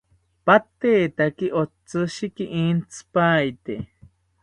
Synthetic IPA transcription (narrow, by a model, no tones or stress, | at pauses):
pat̪eːt̪akiʔot͡sɨʃikiʔiːnt͡sʰɨ̥paːjt̪e